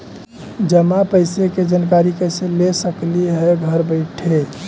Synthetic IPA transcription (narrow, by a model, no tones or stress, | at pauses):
d͡ʒəmapəɪseked͡ʒankaɾikəɪselesəkliɦɛɡʱəɾbəɪʈʰe